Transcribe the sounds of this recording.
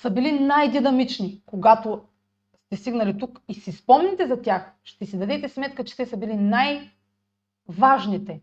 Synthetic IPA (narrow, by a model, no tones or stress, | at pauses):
sɐbilinajd̪inɐmit͡ʃnikoɡat̪o | st̪ɛst̪iɡnɐlit̪ukisispɔmnɛt̪ɛzɐt̪ʲjaxʃt̪ɛsid̪ɐd̪ɛt̪ɛsmɛt̪̚kət͡ʃɛ̥t̪ɛsɐbilinaj | vaʒnit̪ɛ